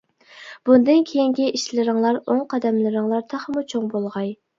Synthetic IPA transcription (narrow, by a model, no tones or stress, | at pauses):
b̥und̪ɨnkʲʰejiŋɡʲɛʔiʃlɪɾɨŋlˠɑɾoŋqʰɑd̪ɛmlˠɨɾɨŋlˠɑɾt̪ʰɑχmut͡ʃʰoŋbolˠʁɑj